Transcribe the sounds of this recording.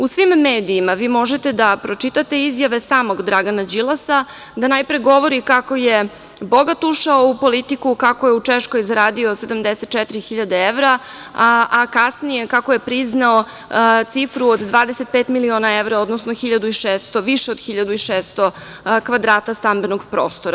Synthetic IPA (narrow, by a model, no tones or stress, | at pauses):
usʋimːeːd̪iːmaʋiːmo̞ʒet̪ed̪apɾo̞t͡ʂit̪at̪e̞izjaʋe̞saːmoɡd̪ɾaɡanad͡ʑilˠasa | d̪anajpɾeɡo̞ʋo̞ɾikako̞je | boɡat̪uʃaoupo̞lit̪ikukakojeut͡ʂeʃko̞jizɾaːd̪io̞se̞d̪amd̪eset̪t͡ʃɛt̪iɾixiʎad̪eeʋɾa | ʔakasnije̞kakoje̞pɾiznao | t̪sifɾuod̪d̪ʋaːd̪eset̪̚pet̪milio̞ːnaeʋɾao̞d̪nosnoxiʎad̪uiʃeːst̪oʋiʃeod̪xiʎad̪uiʃeːst̪o | kʋad̪ɾaːt̪ast̪ambenoɡpɾo̰ːst̪oɾa